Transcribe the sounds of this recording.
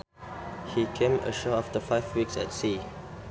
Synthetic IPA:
hikʰẽmə̰ʃəaftəfaɪfwiksɛ̰t̚si

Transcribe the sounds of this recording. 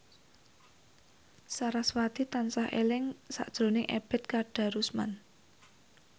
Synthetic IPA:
saɾaswat̪it̪ansahʔḛlɪŋsa̰ʔd̥ʒ̥ɾo̤nɪŋʔḛb̥ɛ̤t̪̚kaɖ̥a̤ɾusman

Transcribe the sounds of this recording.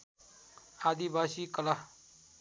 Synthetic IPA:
aːd̪ibaːsiːkəlaː

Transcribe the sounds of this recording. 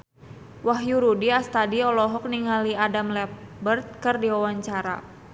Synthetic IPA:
waɦjuɾudiast̪adiɔlɔɦɔk̚niŋaliadamlɛpbərt̪̚kɨrdiawaɲt͡ʃaɾa̰

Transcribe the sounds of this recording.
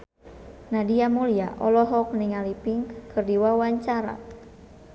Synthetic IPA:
nadiamulia̰ʔɔlɔɦɔk̚niŋalipiŋkkʰɨrdiwawaɲt͡ʃaɾa̰

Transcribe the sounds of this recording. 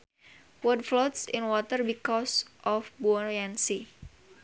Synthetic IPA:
wədflɔt̪sinwɔt̪ərbikɔsʔɔfbɔjansi

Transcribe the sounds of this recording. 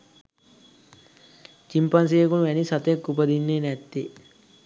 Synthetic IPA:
t͡ʃimpans̬ijekunʋɛnisɐt̪ekːupəd̪inːenɛt̪ːi

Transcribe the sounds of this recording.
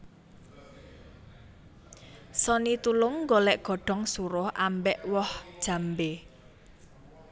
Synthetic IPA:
sɔnit̪ulʊŋːɡolɛʔɡ̥ɔ̤ɖ̥ɔ̤ŋsuɾʊhʔambɛʔwɔhd̥ʒ̥ä̤mbe

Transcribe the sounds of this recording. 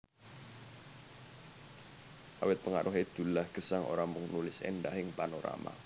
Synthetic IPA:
ʔawɪt̪̚pəŋaɾʔuɦed̪̥ṳlahɡ̥ə̤saŋʔo̰ɾamʊŋnulɪsɛ̰nɖaɦɪŋpanoɾa̰ma̰

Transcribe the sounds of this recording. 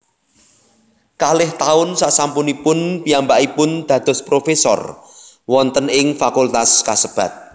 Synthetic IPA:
kalɪht̪aʊnsaʔsampunipʊnpiambaʔipʊnd̪̥ä̤d̪̥ɔ̤spɾofesɔ̰r | wɔnt̪ənɪŋfakult̪askasəb̥ä̤t̪̚

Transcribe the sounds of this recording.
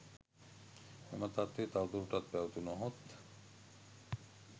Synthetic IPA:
ɛ̰mat̪at̪et̪awd̪uɾʈat̪̚pɛwt̪unɔɦot̪

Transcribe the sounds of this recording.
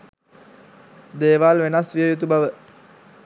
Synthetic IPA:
d̪eːʋaːlʋenasʋijəjut̪̬ubaʋə

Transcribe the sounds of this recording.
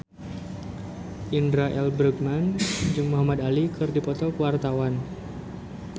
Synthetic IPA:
ʔindɾaʔɛlbɾk̚mand͡ʒɨŋmuɦamad̪alikɨrdipɔt̪ɔkəwart̪awan

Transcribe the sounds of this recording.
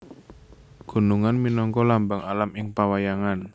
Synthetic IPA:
ɡ̥o̤nuŋanminɔŋkɔlambaŋalamɪŋpawajaŋan

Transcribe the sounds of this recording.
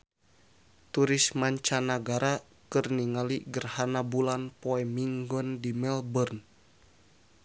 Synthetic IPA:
t̪uɾismaɲt͡ʃanaɡaɾa | kɨrniŋaliɡərhanabulanpɔɛmiŋɡɔndimɛlbɔrn

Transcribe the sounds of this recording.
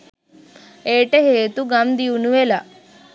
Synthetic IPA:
eːʈeɦeːt̪uɡɐmd̪iunuʋela

